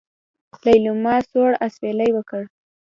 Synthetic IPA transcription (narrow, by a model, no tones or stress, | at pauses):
lajlumɑsoɽaswelajwəkəɽ